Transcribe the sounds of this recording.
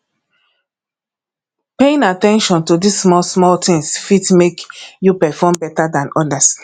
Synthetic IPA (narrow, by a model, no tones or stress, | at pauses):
peĩnatɛ̃nʃɔ̃ntudissmɔlsmɔltʰĩŋsfitmekjupɛfɔmbɛtadãnɔdas